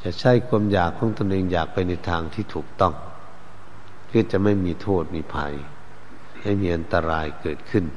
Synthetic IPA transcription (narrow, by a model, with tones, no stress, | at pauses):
t͡ɕa˨˩t͡ɕʰa˥˩jkʰu˧əmjaː˨˩kʰːɔː˨˦ŋt̪o˧nʔeː˧ŋjaː˨˩k̚pa˧jna˧jt̪ʰaː˧ŋt̪ʰiː˥˩t̪ʰuː˨˩k̚t̪ɔ˥˩ŋ | kʰɯː˧˥˩t͡ɕa˨˩ma˥˩jmiː˧t̪ʰoː˥˩t̪̚miː˧pʰa̰˧j | ma˥˩jmiː˧˥ʔa˧nt̪a˧ɾaː˧jkɤː˨˩t̪̚kʰɯ˥˩˨n